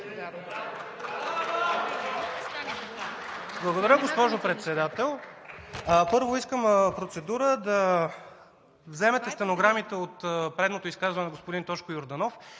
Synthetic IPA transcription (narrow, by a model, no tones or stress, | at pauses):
blˠɐɡod̪ɐɾʲjəɡospɔʒopɾɛt̪sɛd̪at̪ɛlˠ | pɤɾvoiskəmpɾot̪sɛd̪uɾəd̪ɐ | vzɛmɛt̪ɛst̪ɛnoɡɾamit̪ɛot̪pɾɛd̪not̪oiskazvənɛnɛɡospod̪int̪ɔʃkojoɾd̪ɐnɔf